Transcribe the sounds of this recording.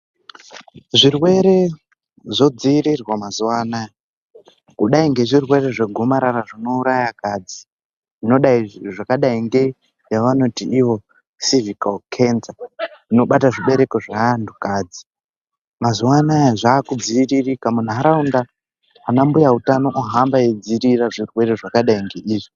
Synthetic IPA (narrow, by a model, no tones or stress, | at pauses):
ʐirwe̞ɾe̞ | ʐo̞d͡ziːɾirwamazuwanaja | kuɗaiŋɡe̞ʐirwe̞ɾe̞ʐeɡʱomaɾaraʐino̞uɾajakad͡zi | ʐino̞ɗaiʐʐakaɗaiŋɡe̞ | jaʋano̞tiiʋo̞ | sivikalkʰe̞nsaʐino̞ɓataʐiɓe̞ɾe̞ko̞ʐandʰukaːd͡zi | mazuwanajaʐaːkud͡ziːririkamun̤ɦaɾaundaː | nambujautanoʔuɦambaed͡ziɾiraʐirwe̞reʐakaɗaiŋɡe̞iːʐi